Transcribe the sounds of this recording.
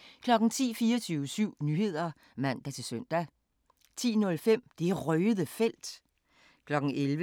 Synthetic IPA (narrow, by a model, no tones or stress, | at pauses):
kʰlɒ̽ɡ̥n̩t͡sʰḭːfiːɐɒt͡sʰyːʊəsyʊ̰nyːhe̝ð̞̰ˠɐ | mæn̰d̥æt͡sʰe̝sœn̰d̥æ | t͡sʰḭːnɔ̽lfem̰d̥e̝æʁœːðˠəfel̰d̥ | kʰlɒ̽ɡ̥n̩elʋə